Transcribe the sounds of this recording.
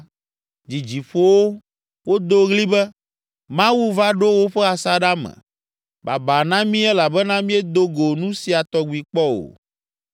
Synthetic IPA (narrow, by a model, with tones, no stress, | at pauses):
d͡ʑi˨d͡ʑi˨ɸo˦wo˦ | wo˦d̪o˦ɣli˦bɛ˦ | mã˦wu˦va˦ɖo˦wo˦ɸɛ˦a˨sa˦ɖa˦mɛ̰̃˨ | ba̰˨ba˨nã˦mĩ˦ɛ˦la˨bɛ˦nã˦mĩ˦ɛ˦d̪o˦ɡo˨nũ˦si˨a˨t̪ɔ˦ɡu˨i˨k͡pɔ˦o̰˨